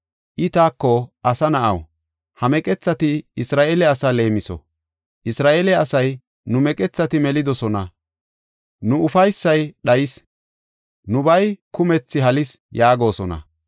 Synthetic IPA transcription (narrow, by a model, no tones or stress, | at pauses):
ʔɪt̪aːkːɔʔɐsɐnɐʔɐ̰w | hɐmɛkʼɛt͡sːɐt̪ɪːsɾaːʔeːlɛɐsale̞ːmɪsɔ̰ | ʔɪsɾaːʔelɛɐsɐj | nʊmɛkʼɛt͡sːɐt̪ɪmɛlɪd̪ɔsɔnɐ | nʊʊfɐjsːɐjɗɐjɪs | nʊbɐjkʊmɛt͡sːɪɦɐlɪsjaːɡo̞ːsɔnɐ̰